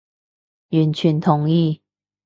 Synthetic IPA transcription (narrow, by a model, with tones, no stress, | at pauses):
y˨˦nt͡ɕʰy˨˦nt̪ʰʊ˨˦ŋi˥˨